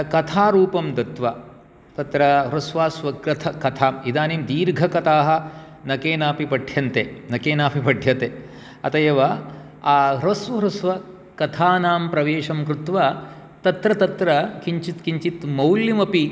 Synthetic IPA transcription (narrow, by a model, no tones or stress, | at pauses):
kɐt̪ʰaːɾuːpɐmd̪ɐt̪ʋɐ | t̪ɐt̪ɾɐɾɐsʋaːsʋɐkɾɐt̪ʰɐkɐt̪ʰaːmid̪aːnimd̪iːɾɡʱɐkɐt̪aːɦɐ̆ | nɐkeːnaːpipɐɖʱjɐnt̪eːnɐkeːnaːpipɐɖʱjɐt̪e | ɐ̰t̪ɐjɐʋɐː | ɾɐsʋɐɾɐsʋɐ | kɐt̪ʰaːnaːmpɾɐʋeːʂɐmkɾut̪ʋɐ | t̪ɐt̪ɾɐt̪ɐt̪ɾɐkiɲt͡ʃit̪kiɲt͡ʃit̪mɐwljɐmɐpi